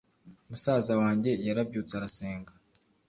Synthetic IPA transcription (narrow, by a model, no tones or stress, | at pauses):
umusaːzawaːɲɟe̞jaɾabɟuːt͡saɾase̞ːŋɡa